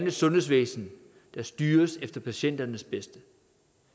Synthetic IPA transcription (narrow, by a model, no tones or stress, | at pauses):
n̰ə̥sɔ̽nɦe̝̰s̬ʋḛːsn̩ | d̥ɑ̈sd̥yːɐsefd̥ɐpʰæɕen̰d̥ɐnəsb̥esd̥ə